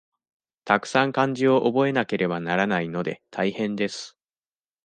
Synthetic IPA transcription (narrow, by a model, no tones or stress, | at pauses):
t̪akɯ̟̥sãŋkãɲ̟d͡ʑio̞ʔobo̞e̞nake̞ɾe̞banaɾanaino̞d̪e̞̰t̪ʰaihẽ̞nd̪e̞sɨ̥